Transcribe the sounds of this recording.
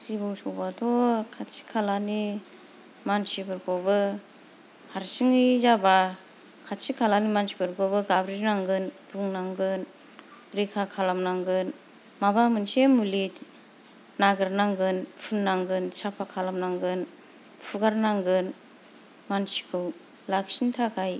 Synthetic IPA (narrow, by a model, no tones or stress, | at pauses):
sibɔŋsɔwbadɔkʰatsi̥kʰalani | mansibɯɾkʰɔbɯ | haɾsiŋizaba | kʰatsikʰalanimansi̥bɯɾkʰɔbɯɡabɾiɾnaŋɡɯnbuŋnaŋɡɯn | ɾikʰakʰalamnaŋɡɯn | mabamɯnsemulit | naɡɯɾnaŋɡɯnpʰunːaŋɡɯnsapʰakʰalamnaŋɡɯn | pʰuɡaɾnaŋɡɯn | mansi̥kʰɯw | laksintʰakʰaj